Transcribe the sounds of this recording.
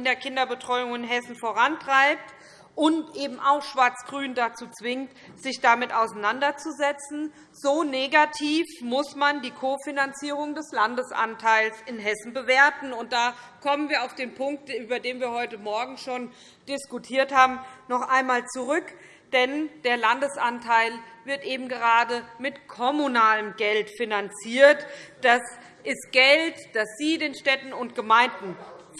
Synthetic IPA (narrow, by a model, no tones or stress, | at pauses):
ndeːɐkʰɪndɐbətʁ̥ɔʏʊŋɪnɦɛsn̩foːʁantʁ̥aɪp̚t | ʔʊntʔeːbm̩aʊxʃv̥aɐt͡sɡ̥ʁyːndat͡suːt͡sv̥ɪŋt | z̥ɪçd̥amɪtʔaʊsanandɐt͡suzɛt͡sn̩ | z̥oːneɡatʰiːfmʊsmandiːkʰofinant͡siːʁ̞ʊŋdɛslandəsʔa̰ntʰaɪlsʔɪnɦɛsn̩bəveːɐtn̩ʊnt̚d̥aː | kʰɔmənviːɐaʊfd̥eːnpʰʊŋk̚tʔyːbɐdeːnviːɐhɔʏtəmɔɐɡŋ̩ʃoːn | d̥ɪskutʰiːɐthaːbm̩nɔχʔaɪnmaːlt͡suʁʏk | d̥ɛnd̥eːɐlandəsʔantʰaɪlvɪɐtʔeːbm̩ɡəʁaːdəmɪtkʰɔmunaːləmɡɛltfinant͡siːɐtd̥as | ʔɪst̚ɡ̥ɛltd̥asz̥iːdeːnʃtɛtn̩ʊntɡ̥əmaɪndn̩